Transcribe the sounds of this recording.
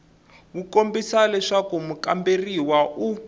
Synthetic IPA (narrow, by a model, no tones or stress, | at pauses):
βukombisalɛʂakumukamberiwaʔu